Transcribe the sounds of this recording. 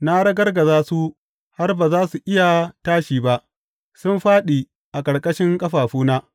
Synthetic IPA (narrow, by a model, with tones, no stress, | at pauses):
na˦ɽɐ˦ɡɐ˦rɡɐ˨zaː˦su˦ | ha˦rbaː˨zaː˦su˨ʔɪ˦ja˨taː˦ʃiː˨ba˦ʔ | sʊ˦mɸaː˦ɗiː˨ | ʔa˨kʼɐ˨ɽkʼɐ˦ʃɪ˦ŋkʼɐ˦ɸaː˨ɸuː˦naː˦